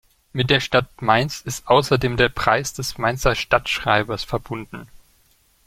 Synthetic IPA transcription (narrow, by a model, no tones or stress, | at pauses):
mɪt̚d̥eːɐʃtat̚maɪnsɪstʔaʊsɐdeːmdeːɐpʁ̥a̰ɪsd̥ɛsmaɪnt͡sɐʃtatʃʁ̥aɪbɐsfɛɐbʊndn̩